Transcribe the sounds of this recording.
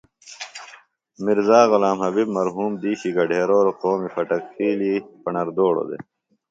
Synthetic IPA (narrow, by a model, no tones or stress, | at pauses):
miɾzaːɣʊlaːmɦɐbibmɐɾɦuːmd̪iːɕiɡɐɖʱeːɾoːɾoqoːmifɐʈɐkxiːlipɐɳɐɾd̪oːɽo̰d̪ḛ